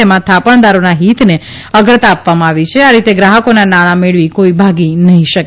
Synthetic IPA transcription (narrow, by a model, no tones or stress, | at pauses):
emãt̪ʰapəɳ̃d̪aɾonaɦit̪ne | əɡɾət̪apʋamãaʋit͡ʃʰeaɾit̪eɡɾaɦəkonanaɭ̃ameɭʋikoibʱaɡinəɦĩʃək